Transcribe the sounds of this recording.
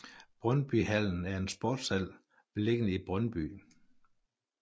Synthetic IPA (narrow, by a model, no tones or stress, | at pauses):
b̥ʁœnb̥yhæl̰n̩æɐe̝nsb̥oːd̥sæl̰ | ʋ̥le̝ɡ̥ənəib̥ʁœnb̥y̰ː